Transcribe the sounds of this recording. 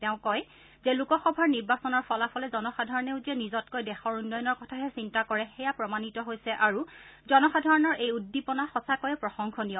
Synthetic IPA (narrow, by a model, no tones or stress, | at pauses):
tɛʊ̃kɔj | zelukɔxɔbʱaɹniɹbasɔnɔɹpʰɔlafʰɔlɛzɔnɔxadʱɔɹɔneʊtiɛnizɔtkojdɛxɔɹunːɔjɔnɔɹkɔtʰaɦɛsintakɔɹɛxɛjapɹɔmanitɔɦojsɛʔaɹuzɔnɔxadʱɔɹɔnɔɹʔejudːipɔnaxɔsakojɛpɹɔxɔŋkʰɔnijɔ